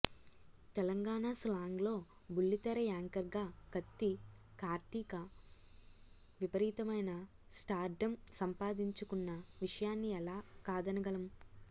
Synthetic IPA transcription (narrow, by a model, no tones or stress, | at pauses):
t̪ɛlɐŋɡaːɳaːslaːŋɡlo̞ː | bulːit̪ɐɾɐjaːŋkɐɾɡaːɡ̥ɐt̪ːi | kaːɾt̪ikɐ | ʋipɐɾiːt̪ɐmɐjnɐ | sʈaːɾɖɐmsɐmpaːd̪iɲt͡ʃukunːɐʋiʂɐjaːnːiɛlaːkaːd̪ɐnɐɡɐlɐm